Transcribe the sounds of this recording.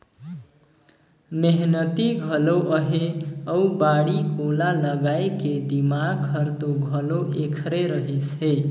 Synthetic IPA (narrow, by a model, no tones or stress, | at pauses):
meɦnət̪iɡʱəloʔəɦeəubaɽikolaləɡaeked̪imaɡʰəɾt̪oɡʱəloʔekʰɾeɾəɦisɦe